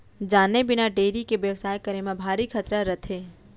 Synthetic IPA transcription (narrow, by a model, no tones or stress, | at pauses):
d͡ʒaːnebɪnaɖeːɾikeʋjəʋsaːjkɐɾemãbʱaːɾikʰət̪ɾaɾɐt̪ʰeː